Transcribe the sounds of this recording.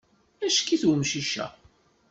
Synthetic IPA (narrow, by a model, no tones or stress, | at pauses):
æʃkiθwəmʃiʃæ̰